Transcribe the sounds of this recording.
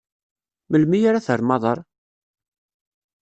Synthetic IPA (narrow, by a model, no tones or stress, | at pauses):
məlmijaɾaθəɾˤmɑðˤɑɾˤ